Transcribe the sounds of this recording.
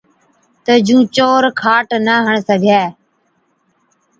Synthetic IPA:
t̪əd͡ʒũːt͡ʃoːɾkʰaːʈnəɦəɳsəɡʱɛː

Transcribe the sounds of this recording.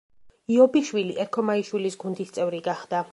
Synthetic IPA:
iɔbiʃwiliʔɛɾkʰɔmaiʃwilisɡund̪ist̪sʼɛvɾiɡaχd̪̥a

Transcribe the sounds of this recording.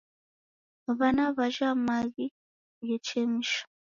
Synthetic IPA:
βanaβaʒamaɣi | jet͡ʃemiʃḁ

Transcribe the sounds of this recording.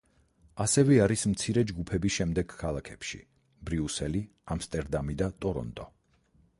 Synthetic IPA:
asɛvɛaɾismt̪sʰiɾɛd͡ʒɡupʰɛbisʃɛmd̪ɛɡ̥kʰalˠakʰɛpʃḭ | bɾiusɛli | amst̪ʼɛɾd̪amid̪at̪ʼɔɾɔ̰nt̪ʼɔ

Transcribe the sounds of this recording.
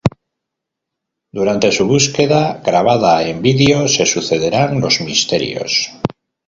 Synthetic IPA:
d̪uɾant̪e̞suβ̞uske̞ðaɣɾaβ̞aðae̞mbiðeo̞se̞suθe̞ðe̞ɾanlo̞zmist̪e̞ɾj̰o̞̰s

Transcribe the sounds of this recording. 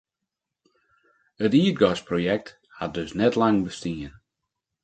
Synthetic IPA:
ətiəd̚ɡɔsprojɛk̚t | hat̚døsnɛtlaŋbəstiən

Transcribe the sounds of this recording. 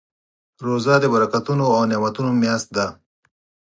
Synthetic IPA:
ɾozɑd̪əbaɾakat̪unoawnemat̪unomjast̪̚d̪a

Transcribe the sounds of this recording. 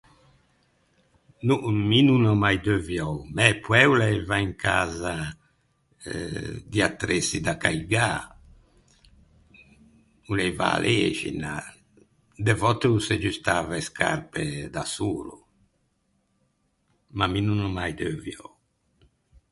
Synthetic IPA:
numinunɔmajd̪øvjɔwmɛpwɛulɛjvaiŋkʰaːza | d̪iat̪ːɾesid̪akajɡa | ulɛjva̰ːlʔeːʒḭna̰ | d̪evɔt̪eused͡ʒyst̪aːveskʰa̰rped̪asuːlu | maminunɔmajd̪øvjɔ̰w

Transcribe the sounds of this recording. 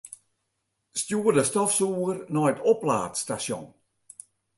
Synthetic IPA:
stjuːərdəstɔfsuːərnɔjtʰɔpla̰ːtstasjɔ̰n

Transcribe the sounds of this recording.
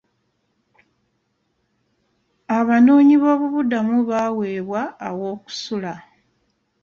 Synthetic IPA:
aβano̞ːɲiβo̞ːβuβudamuβawe̞ːβwaːwo̞ːku̥sula

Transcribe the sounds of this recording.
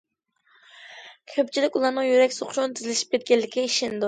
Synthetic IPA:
kʲʰøp̚t͡ʃʰilɪkʲulˠɑɾnɨŋjyɾɛkʲsoχʃont̪ʰyzɪlɪʃi̥p̚kʲɛt̪̚ɡʲɛlːɪkʲːɛiʃɪnd̪u

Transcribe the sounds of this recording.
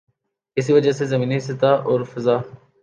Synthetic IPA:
kɪs̬iʋəd͡ʒasezɐmiːniɦɪsɪt̪aːʔɔːɾfɪzaː

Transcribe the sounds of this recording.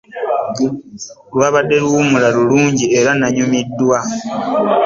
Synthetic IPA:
lwaβadːe̞luumulaluluːɲɟieɾanaɲumidːwa

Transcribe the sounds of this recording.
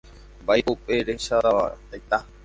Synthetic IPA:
bajupeɾeʃaɾaa̰t̪ajt̪a

